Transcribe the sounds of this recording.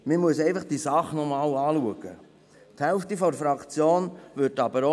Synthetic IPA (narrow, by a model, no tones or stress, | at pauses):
mɪmuəsɛɪfɑχd̥isɑχnɔmɑːlɑːluəɡ̥ə | t̪hɛlftifɔɾfɾɑkt͡sjoːnʋʏɾtɑbəɾo